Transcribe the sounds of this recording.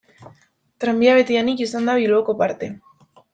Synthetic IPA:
t̪ɾambiaβe̞t̪ianikisand̪aβiloko̞paɾt̪e̞

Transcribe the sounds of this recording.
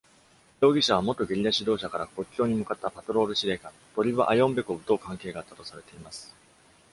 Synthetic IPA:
jo̞ːɡʲiɕaβ̞amo̞t̪ːo̞ɡʲeɾʲid̪aɕid̪o̞ːɕakaɾako̞kʲːo̞ːɲ̟imɯ̟kat̪ːapat̪o̞ɾo̞ːɾɯ̟ɕiɾe̞ːka | t̪o̞ɾʲiβaʔajõ̞mbe̞kobɯ̟t̪oːkãŋke̞ːɡaːt̪ːḁt̪o̞saɾe̞t̪e̞imasɨ̥

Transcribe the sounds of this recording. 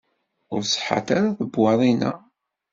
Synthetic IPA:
ʊɾsħa̰t̪aɾaðəbwɑðˤinæ̰

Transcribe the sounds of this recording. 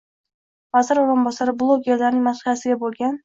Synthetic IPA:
vazɪɾoɾʊnbɒsaɾɪblˠoɡʲeɾlaɾnɪŋʲmasijasɪɡʲabolˠɡʲan

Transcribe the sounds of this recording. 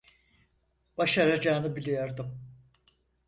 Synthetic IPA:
b̥aʃaɾad͡ʒaːnɯbilʲejaɾd̪ɯm

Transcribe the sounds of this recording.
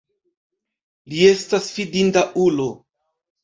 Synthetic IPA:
lie̞stasfidindaʔulo

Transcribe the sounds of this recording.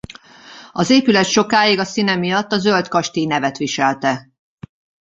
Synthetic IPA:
ɒzeːpylɛt̪ʃo̞kaːjiɡɒsinɛmijɒt̪ːɒzølt̪kɒʃt̪inɛvɛt̪ʋiʃɛlt̪ɛ

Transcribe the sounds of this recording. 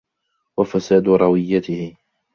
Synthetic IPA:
wafasaːd̪ʊɾˤɑwɪjːat̪ɪhɪ

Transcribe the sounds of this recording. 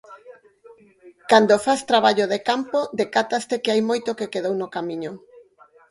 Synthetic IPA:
kand̪ofast̪ɾaβ̞aʎoðekampod̪ekat̪ast̪ekeajmojt̪okekeðownokamiɲo

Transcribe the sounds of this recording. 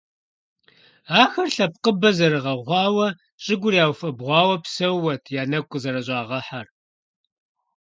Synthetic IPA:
aːxɐrɬɐp̚qəbɐzɐɾɨʁɐʁʷɑːwɐ | ɕʼɪɡʷʊɾjaːwfɐbʁʷɑːwɐpsɐwːɐtʰjaːnɐkʷʼʊzɐɾɐʑʷʼɑːʁɐħar

